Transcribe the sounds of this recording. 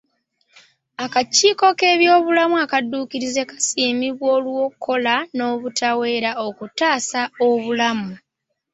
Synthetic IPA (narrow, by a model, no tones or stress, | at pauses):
akaciːko̞ke̞ːβjo̞ːβulamuakadːuːkiɾize̞kḁsiːmiβwo̞ːlwo̞kʰːo̞lano̞βutʰawe̞ːɾaokutaːsao̞βulamu